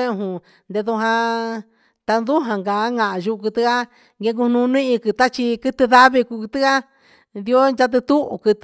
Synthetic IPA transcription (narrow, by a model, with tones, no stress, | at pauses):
ẽ˦˧ɦũ˧ | nd̪e˧ðu˧ɦã˧ | t̪a˧nd̪u˦ɦã˧ŋɡa˨˦ŋã˨ʒu˧kɨ˧t̪ɨ˧ka˦ | ŋɡe˧ŋɡu˧nũ˧nĩ˦ʔĩ˧kɨ˧t̪a˦t͡ʃi˧kɨ˧t̪ɨ˧ða˦βi˧ku˧ku˧t̪ɨ˦ka˦ | ði˧o˦nd͡ʒa˧t̪̬ɨ˧t̪u˦ʔṵ˧kɨ˧t̪